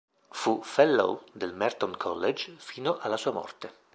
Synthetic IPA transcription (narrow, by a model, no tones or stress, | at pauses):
fufɛlːo̰wd̪elmɛrt̪ɔnkʰɔ̰lːed͡ʒfiːnoʔalːasuːamɔ̰rt̪e